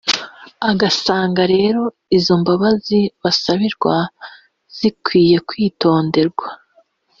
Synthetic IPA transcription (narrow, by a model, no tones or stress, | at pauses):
aɡasaːŋɡaɾe̞ːɾo̞ | izo̞mbaβaziβasaβiɾɡwa | z̥ikwiːje̞kwiːto̞ːnde̞ɾɡwa